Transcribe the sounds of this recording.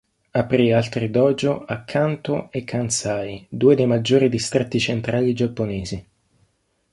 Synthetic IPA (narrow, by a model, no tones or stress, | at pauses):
apɾialt̪rid̪ɔːd͡ʒoakʰːant̪oekʰːansajd̪uːed̪ejmad͡ʒːoːɾid̪ist̪ɾet̪ːit͡ʃent̪ɾaːlid͡ʒapːoneːzi